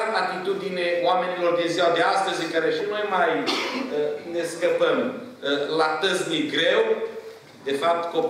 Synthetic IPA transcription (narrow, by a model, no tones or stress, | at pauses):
nat̪it̪ud̪ineoame̞nʲiɨlo̞rd̪eziald̪east̪əzɨŋkaɾe̞ʃinojmajəne̞skəpəm | lat̪əzmiɡɾe̞w | d̪e̞fap̚t̪ko